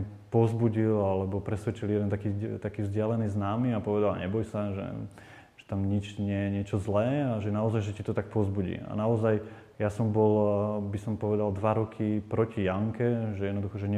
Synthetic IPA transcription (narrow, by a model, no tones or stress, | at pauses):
pɔzbuɟilalɛbɔpɾɛsʋɛt͡ʃiljɛd̪ɛnt̪akit̪akiːvzɟɪalɛniːznaːmiapɔʋɛd̪al̰ɲɛbɔjsaʒɛ̰ | ʒ̥ɛ̥t̪amɲit͡ʃɲɪɛjɛɲɪɛt͡ʃɔzlɛːaʒɛnaɔzajʒɛcit̪ɔt̪ak̚pɔzbuɟḭa̰naɔzaj | jasɔmbɔlbisɔmpɔʋɛd̪ald̪ʋaɾɔkʰipɾɔcijaŋkɛʒɛjɛd̪nɔd̪uxɔʒɛɲɛ